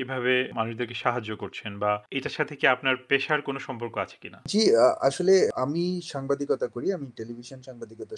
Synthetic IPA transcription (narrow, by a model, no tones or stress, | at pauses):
ebʱaβemanuʃd̪eɾkeʃaɦad͡ʑːokoɾt͡ɕʰenbaeʈaʃat̪ʰekeapnaɾpeʃaɾkonoʃɔmpoɾkoat͡ɕʰe̥kinad͡ʑiaʃoleamiʃaŋbad̪ikɔt̪akoɾiamiʈelibʱiʃonʃaŋbad̪ikɔt̪a